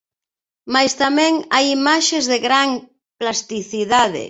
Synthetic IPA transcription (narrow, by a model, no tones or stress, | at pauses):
majst̪amɛ̃ŋajimaʃezðeɣɾaŋ | plast̪iθiðaðḛ